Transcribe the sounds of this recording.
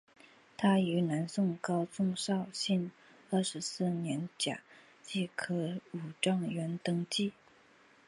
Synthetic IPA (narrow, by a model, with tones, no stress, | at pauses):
t̪ʰa˥y˧˥na˧˥nsʊ˥˧ŋkɑ˥ʊt͡sʊ˥˧ŋʂɑ˥˧ʊɕi˥˧n | ə˥˩ʂɻ̩˧˥sɹ̩˥˩njɛ˧˥nt͡ɕja̰˨˩ | t͡ɕi˥˩kʰɤ˧˥u˨˩ʈ͡ʂɑ˥˩ŋɥɛ˧˥nt̪ɤ˥ŋt͡ɕi˥˩